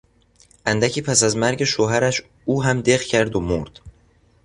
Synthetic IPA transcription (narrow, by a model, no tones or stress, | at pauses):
ʔænd̪æcʰiːpʰæsæzmæɾɟe̞ʃoːɦæɾæʃ | uːɦæmd̪eɣcʰæɾd̪omoɾd̪̥